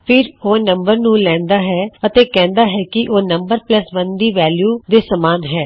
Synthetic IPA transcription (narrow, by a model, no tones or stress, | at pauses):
pʰɪɾoːnəmbəɾnũːlɛ̃ːnd̪aːɦɛːət̪eːkɛ̃ːnd̪aːɦɛːkɪʔoːnəmbəɾpləsbənd̪iːʋɛːljuːd̪eːsəmaːnɦɛː